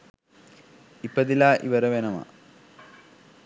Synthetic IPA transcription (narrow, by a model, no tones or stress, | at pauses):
ipːɐðilaːʔḭʋɐɾɐʋenɐmɐ̰